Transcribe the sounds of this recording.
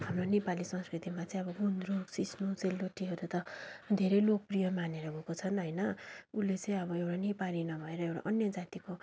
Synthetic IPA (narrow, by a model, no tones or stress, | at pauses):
ɦamronepalisʌ̃ŋskrit̪imat͡sʌ̃ĩʌbʌɡund̪ɾoksisnut͡selːoʈːiɦʌɾut̪ʌd̪ʱeɾʌjlok̚prijʌmaneɾʌbʱʌkot͡sʰʌnɦʌjnʌulːet͡sʌ̃ĩʌβʌewɽanepalinʌbʱʌeɾʌewʈa̰ʔʌnjʌd͡zat̪iko